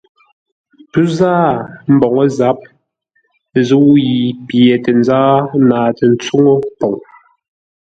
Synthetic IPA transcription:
pʉ˦zaː˦m̩˨bɔ˨ŋɔ˦za˨˦p̚ | zu˦wji˨pje˨tɛ˨n˦d͡zaː˦naː˨tɛ˨n˦t͡su˦ŋo˦pɔ˨ŋ

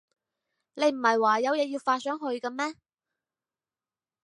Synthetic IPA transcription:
ne˨˧jm̩˨˩hɐ˨jwaː˨˩jɐ˨˧wjɛː˧jiː˧wfaː˧t̚sœː˨˥ŋɦɵ˧ɥkɐ˧mɛː˥

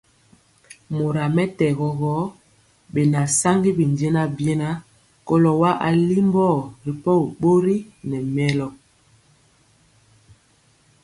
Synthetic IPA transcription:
mo˨ɾa˨mɛ˦tɛ˨ɣɔ˨ɣɔ˨˦ | ɓe˨na˨sa˦ŋɡi˦bi˨nd͡ʒe˦na˦bjɛ˦na˦ | kɔ˦lɔ˨wa˦ʔa̰˨li˦mbɔ˦˨ɾi˨pɔ˦u˨ɓo˦ɾi˦nɛ˨mɛ˦lɔ˨

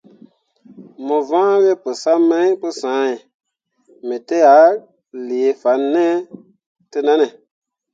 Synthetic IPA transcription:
mɔ̃˨vã˦we˦pə˨sa˦mɛ̃˦po˧sã˨˦ɛ̃˨ | mẽ˨te˦ja˨˦ | le˨e˨fa˨˦nɛ̃˦ | te˧nã˦nɛ̃˨

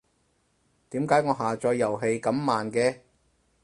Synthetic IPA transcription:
t̪iː˨˥mkaː˨˥jŋɔː˨˧ɦaː˨t͡ʃɔː˧jːɐ˨˩wɦe˧jkɐ˨˥mːaː˨nkɛː˧

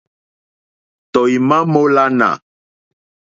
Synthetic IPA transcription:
t̪ɔ˨i˨mã˦mo˦la˦nã̰˨

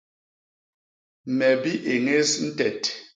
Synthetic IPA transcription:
mɛ˨bi˦ʔe˨ŋe˦sn̩˦tɛ˨t

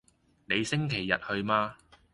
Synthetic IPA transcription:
ne˨˧jsɪ˥ŋkʰe˨˩jːɐ̰˨t̚hɵ˧ɥmaː˧

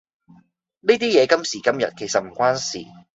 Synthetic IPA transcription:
niː˥t̪iː˥jɛː˨˧kɐ˥msiː˨˩kɐ˥mjɐ̰˨t̚kʰe˨˩jsɐ˨t̚m̩˨˩kʷaː˥nsḭː˨˩

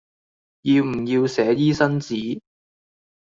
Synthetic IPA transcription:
ji˧wm̩˨˩ji˧wsɛː˨˥jiː˥sɐ˥nt͡siː˨˥

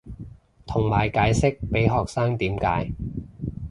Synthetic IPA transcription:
t̪ʰʊ˨˩ŋmaː˨˩jkaː˨˥jsɪ˥k̚pe˨˥jɦɔː˨k̚saː˥ŋt̪iː˨˥mka̰ː˨˥j

